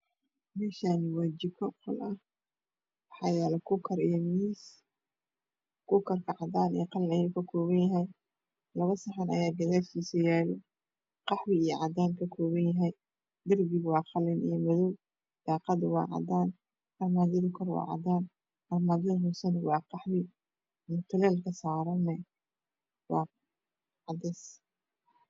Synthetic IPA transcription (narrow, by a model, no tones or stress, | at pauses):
mɛːʃaːnɪwaːd͡ʒɪkʰɔqʰɔlʔɐh | wɑħɑjɛːlɛkʰʊkʰɐɾijɔmiːs | kʰʊkʰɐrkʰɐʕɑd̪aːnḭjqɑlɪnɐjuːkʰɐkʰɔːβɐnjɐɦɛj | lɐβɐsɑħɑnɐ̰jaːɡɐðaːlfiːsɐjaːlɔ | qɑħwɪijʕɑd̪aːnkʰɐkʰɔːβɐnjɐɦɛj | d̪ɐrbɪɣwɑːqɑlːɪnʔḭjmɐðɔw | d̪̥ɑːqɑd̪ʊwɑ̰ːʕɑ̰d̪aːn | ʔɐrmaːðɪðʊkʰɔrwɑ̰ːʕɑ̰d̪aːn | ɐrmaːðɐðɦʊsɐnwɑːqɑħwɪ | mʊt̪ʰɐlɛːlkʰɐsaːɾɐnɛj | wɑ̰ː | ʕɑd̪ɛs